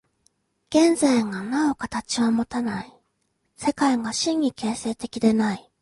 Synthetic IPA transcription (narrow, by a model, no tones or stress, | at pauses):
ɡ̥ẽ̞nzaiŋanao̞kat̪at͡ɕiβamo̞t̪anai | se̞kaiɡaɕĩɲːʲike̞ːse̞ːt̪e̞kʲid̪e̞nai